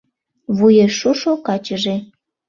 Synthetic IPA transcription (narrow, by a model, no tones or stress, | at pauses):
βujeʃuʃokɑt͡ɕəʒe